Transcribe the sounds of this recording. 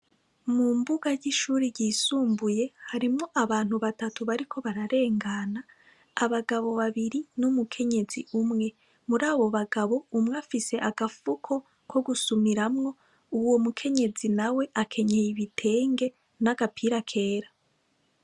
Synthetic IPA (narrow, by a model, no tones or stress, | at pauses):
mumbuɡajiʃuːɾiɟiːsuːmbuje̞haɾimŋo̞ʔaβaːn̥huβatatuβaɾikʰo̞βaɾaɾe̞ːŋɡanaː | βaɡaβo̞βaβiɾinumukʰe̞ɲe̞ziumŋe̞ | muɾaːβo̞βaɡaβo̞umŋafise̞ʔaɡafukʰo̞ | kʰo̞ɡusumiɾamŋo̞ | uwo̞mukʰe̞ɲe̞zinawe̞ʔakʰe̞ɲejiβitʰe̞ːŋɡe̞ | naɡapʰiɾakʰe̞ːɾa